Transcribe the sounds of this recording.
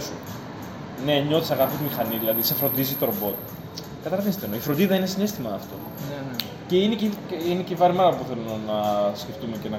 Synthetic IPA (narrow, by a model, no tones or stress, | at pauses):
su | neɲot̪i̥sɐɣɐpit̪imixɐniðilɐðisefɾo̞nd̪izit̪oɾobo̞t̪ | kɐt̪ɐlɐvinst̪enoifɾond̪iðɐinesinest̪imɐːft̪o̞̰ | ce̞ineciinecivɐɾmɐɾɐppuθe̞lunonɐsceft̪umecenɐ